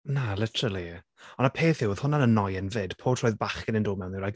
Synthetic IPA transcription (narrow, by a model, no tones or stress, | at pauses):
nalɪtʰəɾəlˠi | ɔnəpʰeːθɪwoð̥hʊnanənːɔjənvɪd̥pʰoːtʰrɔːɨðbaχɡənɪndoːmɛwnðɪwɾajk